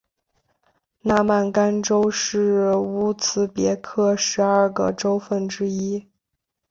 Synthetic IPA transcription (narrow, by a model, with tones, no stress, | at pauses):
na˥˧ma˥˩nka˥nʈ͡ʂo˥ʊʂɻ̩˥˩u˥t͡sʰɹ̩˧˥pjɛ˧˥kʰɤ˥˩ʂɻ̩˧˥a˞˥˩ɡə̰˨˩ʈ͡ʂo˥ʊfə˥˩nʈ͡ʂɻ̩˥i˥